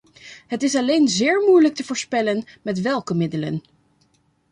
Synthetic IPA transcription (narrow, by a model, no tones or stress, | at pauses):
ɦətɪsɑlejnzɪːɹmujlək̚təvʊːɹspɛlənmɛtʋɛlˠkəmɪdələ̰n